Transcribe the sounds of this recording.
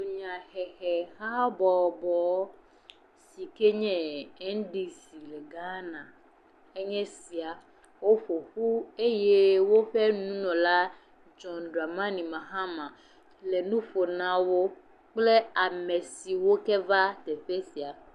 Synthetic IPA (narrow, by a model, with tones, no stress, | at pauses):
o˨ɲã˨hɛ˨hɛ˨ha˦bɔ˨bɔ˨˦ | si˨ke˦ɲɛ̃˦ɛ˦n˦ɖi˦si˨lɛ˨ɡa˦nã˨ | e˦ɲɛ̃˦si˨a˨ | wo˦ɸo˨ɸu˦e˦je˦wo˦ɸɛ˦nũ˦nɔ̃˨la˦ | d͡ʒɔ̃˨nɖa˨mã˦nĩ˨mã˨ɦã˦mã˨ | le˨nũ˦ɸo˨nã˦wo˦ | k͡ple˦a˨me˨si˨wo˦kɛ˦va˦t̪e˨ɸe˦si˨a˨